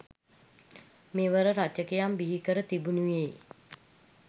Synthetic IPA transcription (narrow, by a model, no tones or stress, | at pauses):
meːʋəɾəɾat͡ʃəkejambiɦikəɾət̪ibunujej